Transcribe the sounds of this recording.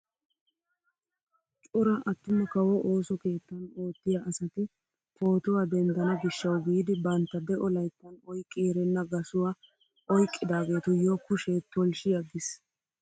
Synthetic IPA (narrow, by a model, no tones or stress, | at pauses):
t͡ʃʼʊɾɐʔɐt̪ːɪmːɛkɐwɔʔo̞ːsɔke̞ːt̪ːɐno̞ːt̪ːɪjaʔɐsɐt̪ɪ | po̞ːt̪ʊwaːd̪ɛnd̪ɐnɐɡɪʃːɐwɡiːd̪ɪbɐnt̪ːɐd̪ɛʔɔlɐjt̪ːɐnɔjkʼːiːɾɛnːɐɡɐsʊwa | ʔɔjkʼːɪd̪aːɡe̞ːt̪ʊjoːkːʊʃet̪ːɔlʃɪjɐɡɪs